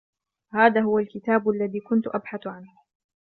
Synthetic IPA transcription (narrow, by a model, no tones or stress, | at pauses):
haːðaːhʊwalkɪt̪aːbʔalːaðiːkʊnt̪ʊʔabħaθʕanh